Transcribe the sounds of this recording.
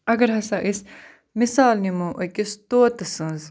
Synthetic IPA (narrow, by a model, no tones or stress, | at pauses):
ɐɡɐɾɦɐsãːʔɪs | mɪsaːlnimũʔokɪst̪oːt̪ɐsɨ̃ːz